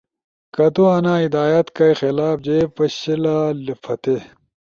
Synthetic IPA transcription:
kɐt̪uɐnaːid̪aːjɐt̪kɐjxelaːp̚d͡ʑeːpɐɕilalipʰɐt̪e

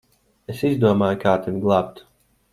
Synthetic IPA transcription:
esizd̪uɔmaːjkaːt̪ʲinʲɡlˠaːp̚t̪

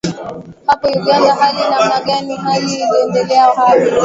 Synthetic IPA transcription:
hapɔjuɠandaɦaɗinam̩naɠaniɦaliwɛndɛlɛaɦali

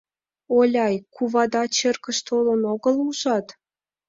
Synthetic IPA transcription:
olʲɑjkuβɑd̪ɑt͡ɕerkə̆ʃt̪olɤnoɣə̆luʒɑt̪

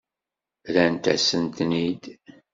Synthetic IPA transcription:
ðænt̪æsənt̪nid̪

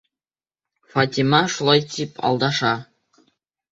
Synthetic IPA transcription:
fɑtʲimɑʂulˠɑjt̪ʲipɑ̰lˠd̪ɑʂɑ

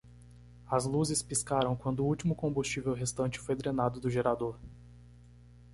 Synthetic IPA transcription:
ɐzluzɪspiskaɾɐ̃w̃kwɐ̃nd̪ʊːuwt͡ʃimʊkõmbust͡ʃivewɦest̪ɐ̃nt͡ʃɪ̥fojd̪ɾenad̪ʊd̪ʊʒeɾad̪oɾ

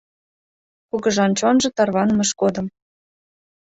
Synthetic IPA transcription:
kuɣɤ̆ʒɑnt͡ɕonʒɤ̆t̪ɑrβɑnəmɤ̆ʃkod̪ə̆m

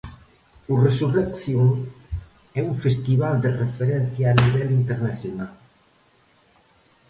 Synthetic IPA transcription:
uresurekθjuŋ | ɛuɱfest̪iβald̪erefeɾɛn̟θjaːniβɛlint̪eɾnaθjonal

